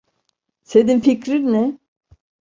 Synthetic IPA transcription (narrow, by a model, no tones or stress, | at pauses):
sed̪infikɾiɾnɪ